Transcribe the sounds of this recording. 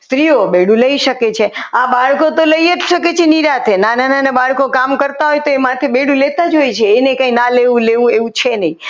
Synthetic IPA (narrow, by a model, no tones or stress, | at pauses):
st̪ɾiobeɽũləiʃəket͡ʃʰeabaɭkot̪oləieʃəket͡ʃʰeniɾat̪ʰenanananebaɭkokamkəɾt̪aɦojt̪oemãt̪ʰebeɽũlet̪ad͡ʒojt͡ʃʰeːnekãĩnaleʋũleʋũeʋũt͡ʃʰenəĩ